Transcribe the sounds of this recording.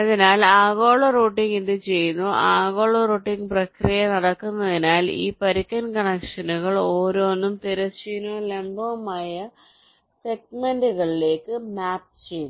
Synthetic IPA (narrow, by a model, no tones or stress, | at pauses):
ɐðinaːlaːɣoːɭɐroːʈːiŋɡind̪ɨt͡ɕe̞jːunːuʔaːɣo̞ːɭɐroːʈːiŋɡprɐkrijɐnɐɽɐkːunːɐðinaːlḭːpɐɾikːɐnkɐɳɐkʂɐnuɣɐɭo̞ːɾoːnːumt̪iɾɐsinoːlembɐːmaːjɐ | se̞ɡ̚menduɣɐɭile̞ːkːɨmaːp̚t͡ɕee̞jːunː